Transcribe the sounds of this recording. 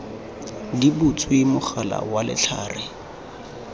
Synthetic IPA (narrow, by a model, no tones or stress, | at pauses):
dibʊt͡sʰʼwimʊχala̰walɪ̰t͡ɬʰa̰ːrɪ